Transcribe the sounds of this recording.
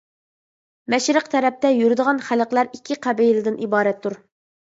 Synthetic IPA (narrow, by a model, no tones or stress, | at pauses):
mɛʃɾəqt̪ʰɛɾɛp̚t̪ɛjyɾɪd̪əʁɑnχæləqlˠæɾikʲʰːɪqʰæbejlɪd̪ɪnʔibɑːɾɛt̪ʰːuɾ